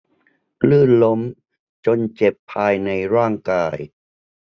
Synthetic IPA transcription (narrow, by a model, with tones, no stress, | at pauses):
lɯː˥˩nlo˦˥m | t͡ɕo˧nt͡ɕe˨˩pʰːaː˧jna˧jɾaː˥˩ŋkaː˧j